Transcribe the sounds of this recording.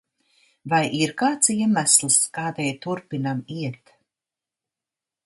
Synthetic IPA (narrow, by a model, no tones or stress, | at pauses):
vajʔiɾkaːt̪siɛmæslˠskaːd̪ɛjt̪uɾpinamiɛt̪